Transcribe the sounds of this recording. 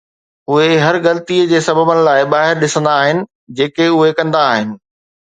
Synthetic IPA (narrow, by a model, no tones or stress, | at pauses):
ʊɦeɦɐɾɣɐlət̪iəd͡ʑeːsɐbəbənɪ̆laːɪɓaːɦɪɾɗɪsə̃nd̪aːɦɪnɪ̆ | d͡ʑeːkeʊɦekɐ̃nd̪aːɦɪnɪ̆